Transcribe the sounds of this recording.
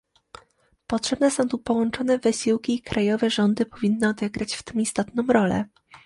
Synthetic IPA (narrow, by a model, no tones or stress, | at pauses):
pɔtʂɛbnɛsɔ̃w̃t̪upɔwɔnt͡ʂɔnɛvɘɕiwkʲiːkɾʔajɔvɛʐɔnd̪ɘpɔvʲinːɘɔd̪ɛɡɾat͡ɕft̪ɔmist̪ɔt̪nɔ̃wɾɔlɛ̰